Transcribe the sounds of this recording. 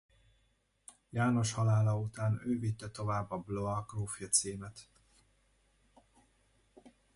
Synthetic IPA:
jaːno̞ʃhɒlaːlɒut̪aːnøːvit̪ːɛt̪o̞vaːbːɒbloɒɡroːfjɒt̪siːmɛt̪

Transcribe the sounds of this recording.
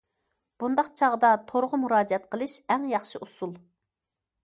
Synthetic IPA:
b̥und̪ɑqt͡ʃʰɑʁd̪ɑt̪ʰoɾʁʊmuɾɑːd͡ʒiɛt̪̚qʰəlˠɨʃɛŋjɑχʃiʔusulˠ

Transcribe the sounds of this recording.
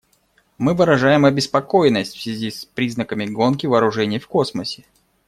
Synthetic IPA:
mɨvɨɾɐʐajɪmɐbʲɪspɐko̞jnːəsʲtʲfsʲvʲɪzʲispɾʲiznəkəmʲɪɡo̞nkʲɪvɐːɾʊʐɛnʲɪjfko̞sməsʲɪ̥

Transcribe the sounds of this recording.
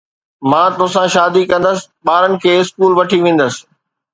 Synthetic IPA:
mãːt̪ʊɦsãʃaːd̪ikɐ̃nd̪əsɪ̥̆ | ɓaːɾənɪ̆kʰeːɪskuːlʋɐʈʰiʋẽːn̆d̪əsɪ̥̆

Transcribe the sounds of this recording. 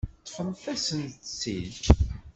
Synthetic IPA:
t̪ːə̥fəmθæsənθsil

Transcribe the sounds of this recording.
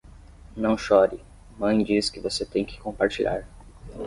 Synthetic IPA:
nɐ̃w̃ʃɔɾɪ | mɐ̃j̃d͡ʒiskɪvoset̪ẽj̃kɪ̥kõpaɾt͡ʃiʎa̰ɾ

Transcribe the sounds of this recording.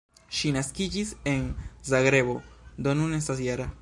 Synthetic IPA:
ʃinaskid͡ʒiseŋzaɣɾeβod̪onunest̪asjaɾa

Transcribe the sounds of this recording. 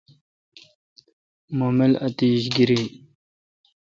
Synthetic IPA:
momelɐt̪iːɕɡiɾi

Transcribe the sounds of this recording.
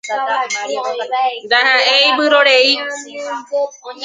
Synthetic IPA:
nd̪aɦãejbɨɾoɾei

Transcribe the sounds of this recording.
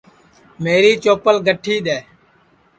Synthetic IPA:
meːɾiːt͡ʃoːpəlɡʱəʈʰiːɗ̪eː

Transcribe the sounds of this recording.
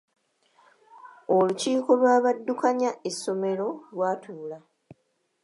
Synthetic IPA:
oluciːko̞lwaːβadːukaɲaesːo̞me̞ɾo̞lwaːtʰuːla

